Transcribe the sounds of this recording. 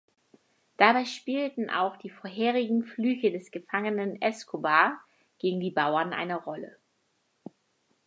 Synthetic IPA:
d̥abaɪʃpiːltn̩ʔa̰ʊxd̥iːfoɐɦeːʁɪɡŋ̩flyːçədɛsɡ̥əfaŋənənɛskʰobaː | ɡ̥eːɡŋ̩diːbaʊɐnʔa̰ɪnəʁɔlə̰

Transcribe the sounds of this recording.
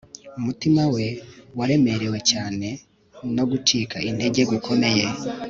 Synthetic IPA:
umutimawe̞waɾe̞me̞ɾe̞we̞caːne̞ | no̞ɡut͡ʃiːkainde̞ɟe̞ɡwikʰo̞me̞je

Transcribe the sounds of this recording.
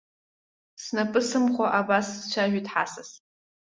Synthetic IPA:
snapʼɨsɨmχʷaʔabaszt͡ʃʷʰaʒᶣʷitʰʼħa̰sas

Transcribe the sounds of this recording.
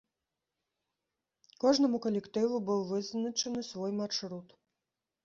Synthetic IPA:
kɔʐnɐmukɐlʲɛkt̪ɨvubɨwvɨznɐt͡ʂɐnɨsvɔjmaʂɾut̪

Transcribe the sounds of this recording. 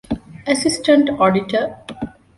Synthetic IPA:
əsɪsʈə̃ɳʈɔːɖiʈʰə

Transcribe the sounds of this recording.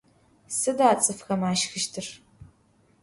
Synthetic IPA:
sɨdaːt͡sʼɨfxɐmaːʃxɨʃtʰɨr

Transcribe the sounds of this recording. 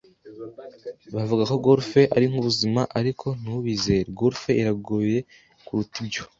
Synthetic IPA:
βavuɡako̞ɡoɾfe̞ʔaɾiŋ̥uβuzimaʔaɾikʰon̥uβize̞ːɾeɡoɾfe̞iɾaɡuje̞ | kuɾutibɟo̞

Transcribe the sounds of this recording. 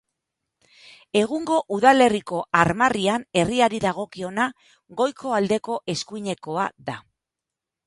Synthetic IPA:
e̞ɣ̞uŋɡo̞ʔuðale̞riko̞aɾmariane̞riaɾiðaɣ̞o̞kio̞na | ɣo̞jkʰo̞ald̪e̞ko̞ʔe̞skuiɲe̞ko̞aða

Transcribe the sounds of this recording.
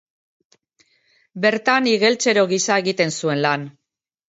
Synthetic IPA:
be̞ɾt̪aniɣe̞lt͡se̞ɾo̞ɣisaeɣit̪e̞nsue̞nlan

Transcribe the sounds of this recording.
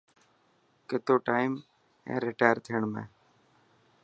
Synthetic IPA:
kɪt̪oːʈaːɪm | ɛ̰̃ːɾɪʈaːjəɾt̪ʰiːəɳmḛ̃ː

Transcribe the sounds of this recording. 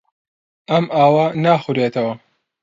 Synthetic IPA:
ʔɐmʔaːwɐnaːxuɾeːt̪ʰɐwɐ

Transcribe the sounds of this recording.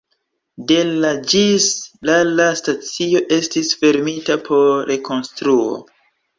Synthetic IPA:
de̞lad͡ʒislalastat͡sio̞ʔe̞stisfe̞ɾmitapʰo̞ɾe̞ko̞nstɾuo̰

